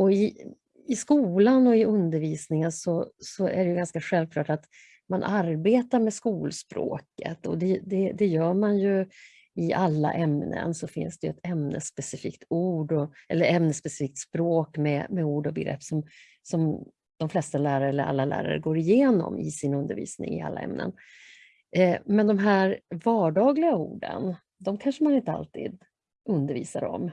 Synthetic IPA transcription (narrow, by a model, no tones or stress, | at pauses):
ɔɪ | ɪskuːlanɔɪɵnd̪əɾviːsnɪŋənsɔsɔæ̰ɖɛjɵɡanskaɧɛlvkʰlɑːʈat̪ | manʔaɾbeːt̪aɾmɛskuːlspɾo̰ːkə̰t̪ɔd̪ɛd̪ɛd̪ɛjœːɾmanjɵ | ɪʔalːa̰ʔɛmnə̰nsɔfɪ̰nsd̪ɛjɵɛt̪ɛmnə̰spɛsɪfḭːk̚t̪ʰuːɖɔɛlːəɾɛmnəspɛsɪ̥fiːk̚t̪spɾoːkmɛmɛuːɖɔbɛɡɾɛ̰pːsɔm | sɔm | d̪̥ɔmflɛst̪alæːɾaɛlːəɾa̰lːalæ̰ːɾa̰ɾə̰ɡoːɾɪjeːnɔ̰mɪsɪnɵnd̪əɾvḭːsnɪ̰ŋɪa̰lːʔaɛ̰mnə̰n | mɛnd̪ɔmɦæːɾvɑːɖɑːɡlɪɡaṵːɖə̰n | d̪ɔmkʰanʂəmanɪnt̪əa̰lt̪ʰḭːd̪ | ɵnd̪əɾvḭːsaɾɔ̰m